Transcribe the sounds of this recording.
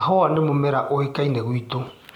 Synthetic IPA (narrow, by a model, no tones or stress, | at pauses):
hɔwanemomɛɾaʔoekaineɣwito